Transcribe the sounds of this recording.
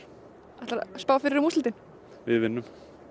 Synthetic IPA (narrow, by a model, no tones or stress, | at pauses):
ɛht̪aɾa̰spaːwfɪɾɪɾɪmust̪lt̪ɪn̥ | vɪðvɪnːʏm